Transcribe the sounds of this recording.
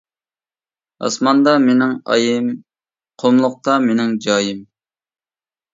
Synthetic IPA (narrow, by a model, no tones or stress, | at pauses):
ɑ̰smɑnd̪ɑmenɪŋɑ̰jɪm | qʰomlˠʊq̚t̪ɑmenɪŋd͡ʒɑːjɪm